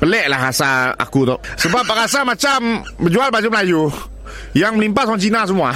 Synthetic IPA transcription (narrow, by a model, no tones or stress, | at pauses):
pəlɛʔlaɦasaa̰kut̪ɔʔsəbap̚ːakasamat͡ʃambərd͡ʒualbad͡ʒuməlaju | jaŋməlimpatsaŋt͡ʃinas̬əmua